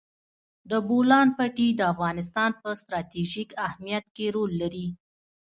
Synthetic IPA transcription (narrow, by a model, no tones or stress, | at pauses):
d̪əbolɑnpaʈid̪əafɣɑnɪs̬t̪ɑnpəst̪ɾɑt̪iʒikahmijat̪keɾolːaɾi